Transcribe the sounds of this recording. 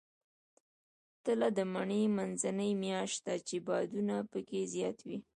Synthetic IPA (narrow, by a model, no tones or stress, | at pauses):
t̪əlad̪əmaɳemanzanəjmjɑʃt̪at͡ʃebɑd̪unapəkezjɑt̪wi